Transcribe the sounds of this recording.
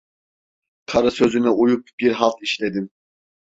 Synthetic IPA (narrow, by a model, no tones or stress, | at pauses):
kʰaɾɯsøzynɛujup̚b̥iɾɦɑlˠt̪ʰiʃlʲed̪im